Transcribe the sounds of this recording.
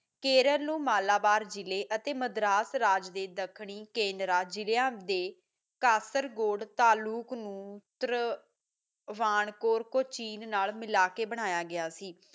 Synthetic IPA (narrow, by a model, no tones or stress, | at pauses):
keːɾəɾnũːmaːlaːbaːɾd͡ʒɪleːʔət̪eːməd̪ɾaːsɾaːd͡ʒd̪eːd̪əkʰɳiːkeːnɾaːd͡ʒɪlejãːd̪eː | kaːsəɾɡoːɽt̪aːluːknũːt̪əɾ | ʋaːɳkoːɾkoːt͡ʃiːnnaːlmɪlaːkeːbəɽ̃aːjaːɡɪjaːsiː